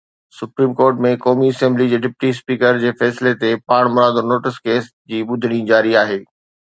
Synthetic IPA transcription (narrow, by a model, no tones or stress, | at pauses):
sʊpɾiːmkoːɾʈmẽkɔːmiɐsɛ̃mblid͡ʑeːɖɪpʈispiːkəɾd͡ʑeːfɛːslet̪epaːɽ̃mʊɾaːd̪onoːʈɪskeːs | d͡ʑiːɓʊd̪ʱəɽ̃ĩd͡ʑaːɾiaːɦeː